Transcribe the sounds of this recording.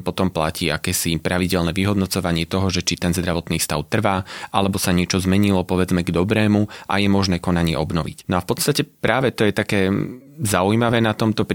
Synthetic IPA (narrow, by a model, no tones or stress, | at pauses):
pɔt̪ɔmplaciːakɛːsipɾaʋiɟɛlnɛʋiɦɔd̪nɔt͡sɔʋaɲɪɛt̪ɔɦɔʒɛt͡ʃit̪ɛnzd̪ɾaʋɔt̪niːfst̪aʊt̪r̩ʋaːʔalɛbɔsaɲɪɛt͡ʃɔzmɛɲilɔpɔʋɛd͡zmɛɡd̪ɔbɾɛːmuʔa̰jɛmɔʒnɛːkɔnaɲɪɛ̰ʔɔbnɔʋḭcnɔafpɔt̪st̪acɛpɾaːʋɛt̪ɔjɛt̪akɛː | zaujmaʋɛːnat̪ɔmt̪ɔpɾ